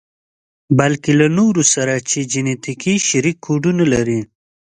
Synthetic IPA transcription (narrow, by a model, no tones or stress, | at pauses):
balkelanoɾusaɾat͡ʃed͡ʒinet̪ikiʃaɾikʰːoɖunalaɾi